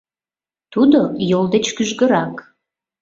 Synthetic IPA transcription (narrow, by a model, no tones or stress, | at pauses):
t̪ud̪ojold̪et͡ɕkyʒɡə̆ɾɑk